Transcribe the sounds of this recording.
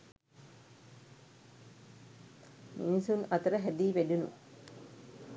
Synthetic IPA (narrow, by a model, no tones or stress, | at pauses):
minisunɐt̪əɾəɦæd̪iːʋæɖunṵ